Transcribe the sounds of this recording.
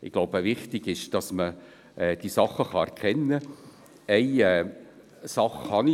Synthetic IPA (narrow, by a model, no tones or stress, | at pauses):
ɪɡ̥loʊbəvɪχtɪɡ̥ɪʃd̥ɑsmə | ʔɛd̥isɑχːəχɑɛɾkʰɛnːə | ɛɪɛː | sɑχhɑni